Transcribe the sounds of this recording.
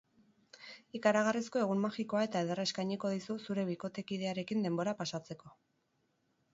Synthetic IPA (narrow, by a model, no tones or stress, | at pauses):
ikaɾaɣarisko̞e̞ɣ̞ummaxiko̞ae̞t̪aeðerae̞skajɲiko̞ð̞isusuɾe̞βiko̞t̪e̞kið̞e̞aɾe̞kind̪e̞mbo̞ɾapasat͡se̞ko̞